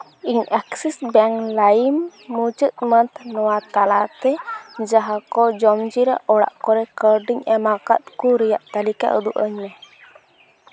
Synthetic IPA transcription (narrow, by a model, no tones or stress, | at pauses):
iɲaksɛsbɛŋlajimːut͡ʃət̪̚mənt̪ʰnɔwat̪alat̪ɛd͡ʒaɦakɔd͡ʒɔmd͡ʒiɾa̰ʔɔɽa̰ʔkɔɾɛkəɾɖiɲɛmaka̰t̪̚kuɾɛjaʔt̪alika̰ʔṵd̪uʔəɲmɛ